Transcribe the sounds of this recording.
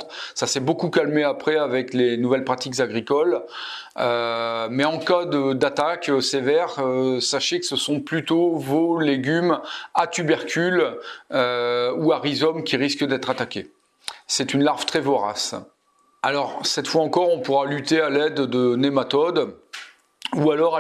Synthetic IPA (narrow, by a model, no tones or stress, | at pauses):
sasɛbokukalmeapχɛavɛklenuvɛlpχat̪ikzaɡʁikɔl | ømɛɑ̃kad̪əd̪at̪akøsevɛʁøsaʃekə̥səsɔ̃plyt̪ovoleɡʲymat̪ybɛʁkʲyløuaʁizɔmkʲiʁiskd̪ɛt̪χat̪akʲe | sɛt̪ynlaʁv̥t̪χɛvoʁa̰s | alɔʁsɛt̪fwaɑ̃kɔʁɔ̃puʁalyt̪ealɛd̪ːənemat̪ɔd̪ | ualɔʁ